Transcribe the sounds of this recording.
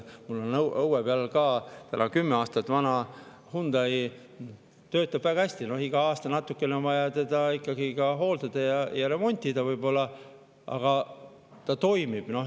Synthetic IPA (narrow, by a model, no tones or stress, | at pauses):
mulːo̞nɤwʔɤwebælelkɑːt̪ænʔɑkymːeɑːst̪ɑt̪ːvɑnɑ | hund̪ɑj | t̪ø̞ːt̪ːˑɑb̥væɡ̥ɑæsʲt̪ino̞hiɡ̥ɑɑːst̪ɑnɑt̪ːukːˑe̞neonvɑjɑt̪e̞d̪ɑikːˑɑɡ̥ikɑɦo̞ːld̪ɑd̪̥ɑjɑjɑɾe̞mo̞nʲt̪ʲˑid̪̥ɑvɤjbo̞lːɑ | ɑ̰ɡ̥ɑ | t̪ɑt̪o̞jmib̥no̞